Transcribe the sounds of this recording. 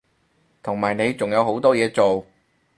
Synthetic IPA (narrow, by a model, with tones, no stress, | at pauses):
t̪ʰʊ˨˩ŋmaː˨jne˨˧jt͡sʊ˨ŋjɐ˨˧wɦo˨˥wt̪ɔː˥jɛː˨˧t͡so˨w